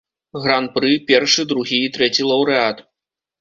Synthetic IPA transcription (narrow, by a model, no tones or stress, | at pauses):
ɣɾanpɾɨpʲɛrʂɨd̪ɾuɣʲiːt̪ɾɛt͡sʲilˠɐwɾɨat̪